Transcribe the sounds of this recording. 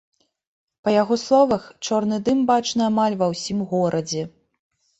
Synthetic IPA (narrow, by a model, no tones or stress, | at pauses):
pɐjaɣɔslˠɔvɐxt͡ʂɔrnɨd̪ɨmbat͡ʂnɨamalʲvɐwsʲimɣɔɾʔɐd͡zʲɛ